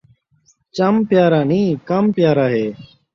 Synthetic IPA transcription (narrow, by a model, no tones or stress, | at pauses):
t͡ʃaːmpɪjaːɾaːnĩːkampɪjaːɾaːɦeː